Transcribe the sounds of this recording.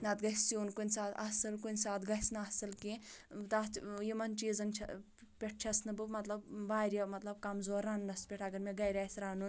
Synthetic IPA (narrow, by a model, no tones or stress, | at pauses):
nɐt̪ɡɐssuːnkunʲsaːt̪ɐ̰sɐlkunʲsaːt̪ɡɐsnɨɐsɐlkĩt̪at̪ʰjimɐnt͡ʃiːzɐnt͡ʃʰɐ̰ | pʲeʈ̚ʰt͡ʃʰɐsnɨbɨmɐt̪lɐbʋaːɾʲjɐmɐt̪lɐb̚kɐmzoːɾɐnːɐspʲeʈʰɐɡɐɾmʲeɡɐjɾʲaːsɾaːnun